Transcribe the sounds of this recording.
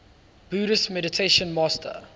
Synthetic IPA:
b̥uːɾəsmɛɾɪtʰeʃə̃nmɑːstʰə̰

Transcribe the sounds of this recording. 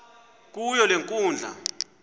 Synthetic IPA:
k̬ʼujɔleŋkʼuːnd͡ɮʱa̰

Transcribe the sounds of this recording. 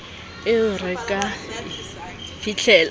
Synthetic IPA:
ɪʊrɪkʼa | fit͡ɬʰɛːl

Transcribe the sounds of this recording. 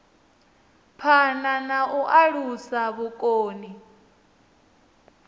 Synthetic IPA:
pʰananaʔuʔaɺusaβukʼoːni

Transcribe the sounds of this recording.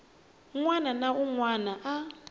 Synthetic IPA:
ŋwananauŋwanaʔa

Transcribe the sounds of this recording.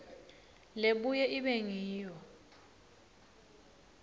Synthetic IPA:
leɓujɛʔiɓɛŋiːjɔ

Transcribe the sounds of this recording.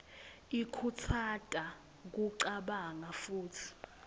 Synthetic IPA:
ikʰut͡sʰatʼa | k̬uǀaɓaŋafuːtʰi̥

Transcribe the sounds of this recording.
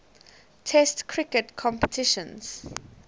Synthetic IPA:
tʰɛstkʰɹɪkətkʰɔ̃mpə̥tʰɪʃɔ̃nz̥

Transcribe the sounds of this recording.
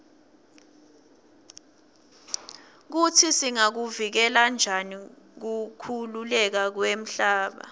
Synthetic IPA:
k̬utʰisiŋak̬uvik̬ɛland͡ʒʱani | k̬ukʰululɛk̬ak̬wem̩ɬaːɓa̰

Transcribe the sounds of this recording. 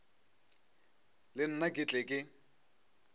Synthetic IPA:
lɪn̩nakʼɪt͡ɬʼɛkʼɪ

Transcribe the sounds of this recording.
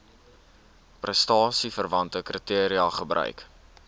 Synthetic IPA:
prəstɑːsifərvɐntəkrətiəɾiɐχəbɾœ̰ɥk

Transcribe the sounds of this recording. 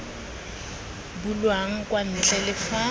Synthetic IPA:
bʊlwaŋ̩kʼwan̩t͡ɬʼɛlɪfa

